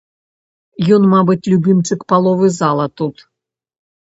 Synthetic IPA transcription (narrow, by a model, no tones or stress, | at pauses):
jɔnmabɨt͡sʲlʲubʲɨmt͡ʂɨkpalˠɔvɨzalˠɐt̪ut̪